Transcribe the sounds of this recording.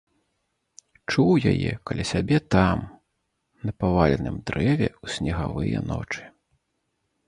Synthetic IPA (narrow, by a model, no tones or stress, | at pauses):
t͡ʂuwjajɛ̰kalʲisʲabʲɛt̪am | nɐpavalʲɛnɨmd̪ɾʔɛvʲɛusʲnʲɛɣavɨjɛ̰nɔ̰t͡ʂɨ̥